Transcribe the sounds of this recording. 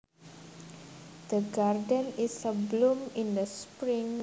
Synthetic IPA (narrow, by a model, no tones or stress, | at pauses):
d̪̥əɡardə̃nisːəblũmĩnd̪əspɾĩŋ